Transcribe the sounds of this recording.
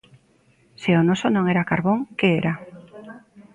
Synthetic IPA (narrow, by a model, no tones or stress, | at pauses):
sɪonosonõŋeɾakaɾβoŋkeeɾa